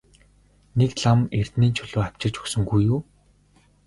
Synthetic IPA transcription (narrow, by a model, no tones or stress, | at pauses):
nekɮamer̥t̪niːnt͡ɕʰɵɮoːaw̥ʲt͡ɕɪ̆t͡ɕɵksɵ̆ŋɡujuː